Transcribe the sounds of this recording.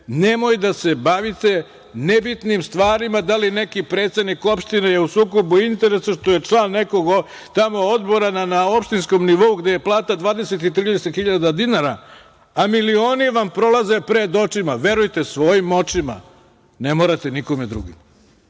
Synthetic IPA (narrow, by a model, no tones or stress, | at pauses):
ne̞mo̞jd̪ase̞baʋit̪e̞ | nebit̪nimst̪ʋaːɾimad̪aline̞kipɾet̪se̞d̪niko̞pʃt̪inejeusuːklo̞buint̪e̞ɾe̞saʃt̪o̞je̞t͡ʂlˠaːnːe̞ko̞ɡo | t̪amo̞od̪bo̞ɾananaopʃt̪insko̞mniʋo̞uɡd̪e̞jeplˠaːt̪ad̪ʋaːd̪e̞se̞t̪it̪ɾiːd̪eset̪xiʎad̪ad̪inaɾa | amilio̞ːniʋampɾo̞laze̞pɾe̞d̪o̞t͡ʃimaʋe̞ɾujt̪e̞sʋo̞jimo̞t͡ʃima̰ | ne̞moɾat̪e̞niko̞med̪ɾṵɡim